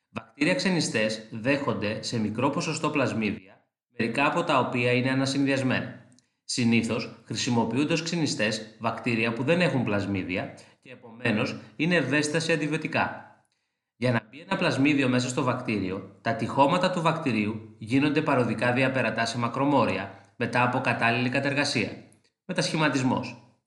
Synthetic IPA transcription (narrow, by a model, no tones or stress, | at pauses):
vɐk̚t̪iɾiɐkse̞nist̪e̞zðe̞xo̞nd̪e̞se̞mikɾo̞po̞so̞st̪o̞plɐzmiðiɐ | me̞ɾikɐːpo̞t̪ɐo̞piɐine̞ɐnɐsinðiɐzme̞̰nɐ | siniθo̞sxɾisimo̞piund̪ɐoskse̞nist̪e̞zvɐkt̪iɾiɐpuðe̞ne̞xumplɐzmiðiɐce̞ːpo̞me̞no̞sine̞ːve̞st̪ɐsiɐnd̪ivio̞t̪ikɐ̰ | ʝɐnɐbie̞nɐplɐzmiðio̞me̞sɐst̪o̞vɐkt̪iɾio̞t̪ɐt̪ixo̞mɐt̪ɐt̪uvɐkt̪iɾiuʝino̞nd̪e̞pɐɾo̞ðikɐðiɐpe̞ɾɐt̪ɐse̞mɐkɾo̞mo̞ɾiɐme̞t̪ɐːpo̞kɐt̪ɐlilikɐt̪ɐe̞ɾɣɐsiɐ̰ | me̞t̪ɐsçimɐt̪izmo̞̰s